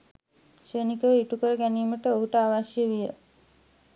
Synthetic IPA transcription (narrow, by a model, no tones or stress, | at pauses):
ʃəːnikəʋəiʈukəɾəɡæniːməʈəoɦuʈəaːʋaʃjəʋijə